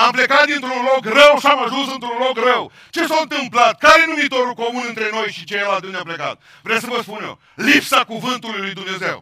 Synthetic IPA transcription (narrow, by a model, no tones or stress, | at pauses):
amplekat̪̚d̪ɨnt̪ɾunlo̞krəwʃiamaʒunsɨnt̪ɾunlo̞krəw | t͡ʃe̞sawɨnt̪ɨmplat̪̚kaɾenumit̪o̞ɾulko̞munɨnt̪ɾe̞no̞jʃit͡ʃejelad̪ɨneapleka̰t̪̚ | vɾews̬əvəspunḛ | lipsakuvɨnt̪ulujlujd̪umne̞ze̞̰w